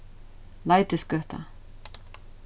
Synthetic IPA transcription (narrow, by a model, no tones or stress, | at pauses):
lajt̪ɪskœht̪a̰